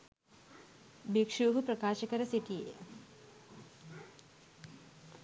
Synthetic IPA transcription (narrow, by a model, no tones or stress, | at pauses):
bikʂuːɦupɾɐkaːʃəkəɾəsiʈijejə